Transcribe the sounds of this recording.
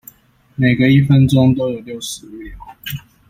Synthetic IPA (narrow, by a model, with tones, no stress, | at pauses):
ne˨˩ɪɡə˦i˥˩fə˦nʈ͡ʂʊ˥ŋt̪o˥ʊjo˨˩ʊljo˥˩ʊʂɻ̩˧˥˨